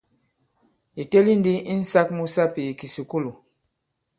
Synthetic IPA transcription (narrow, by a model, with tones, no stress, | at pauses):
ji˨te˦li˦n˦di˦i˦n̩˦sa˦k̚mu˦sa˦pi˨i˨ki˨su˨ku˦lu˨